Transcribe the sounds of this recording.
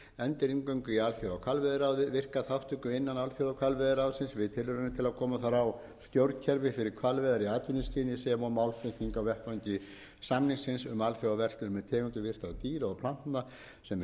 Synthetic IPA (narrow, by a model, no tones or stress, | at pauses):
ɛnt̪ɪɾiŋkœɥŋkʏialfjawawkʰvalvɛðɪɾaːwðɪvɪr̥kaθawht̪ʰʏkʏɪnːanalfjɔwakʰalvɛðɪɾawðsɪnsvɪðt̪ʰɪlʏɾʏnɪt̪ʰɪlaðkʰɔːmaθaɾaw | st̪jowɾt̪cʰɛɾvɪfɪɾɪɾ̥kʰvalvɛːðaɾiaːt̪vɪnɪst̪ʰiːnɪsɛmɔmawlfɪt̪niŋkawvɛht̪aɲcɪ | samniŋsɪnsʏmalfjawavɛr̥t̪lʏɾmɛðt̪ʰɛːkʏnt̪ʏvɪr̥t̪awt̪iːɾaɔɣpʰl̥an̥t̪na | sɛm